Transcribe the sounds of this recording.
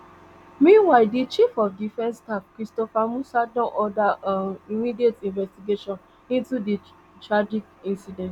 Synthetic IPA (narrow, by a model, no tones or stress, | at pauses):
mĩnwaɪdit͡ʃifɔfdifɛ̃nstakɹistɔfamusadnɔ̃ʔɔdaaimidietĩnvɛstiɡeʃɔ̃n | ĩntudi | tɹad͡ʒikĩnsidɛ̃nt